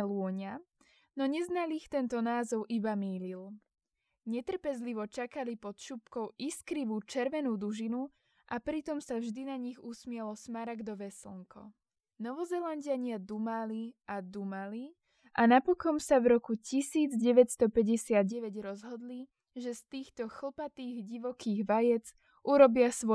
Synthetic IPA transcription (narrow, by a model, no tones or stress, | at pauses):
lʊɔɲa | nɔɲɛznalixt̪ɛnt̪ɔnaːzɔʊʔibamiːlil | ɲɛt̪r̩pɛzliʋɔt͡ʃakalipɔt̪ʃupkɔʊiskɾiʋuːt͡ʃɛɾʋɛnuːd̪uʒinu | ʔapɾit̪ɔmsavʒd̪inaɲiɣusmɪɛlɔsmaɾaɡd̪ɔʋɛsl̩ŋkʰɔ̰ | nɔʋɔzɛlanɟɪaɲɪad̪umaliad̪umali | anapɔkɔmsavɾɔkucisiːd͡zɟɛʋɛcst̪ɔpɛɟɛsɪad̪̚ɟɛʋɛɟɾɔzɦɔd̪li | ʒɛst̪iːxt̪ɔxl̩pat̪iːɣɟiʋɔkʰiːɣʋajɛd͡z | ʔuɾɔbɪasʋɔ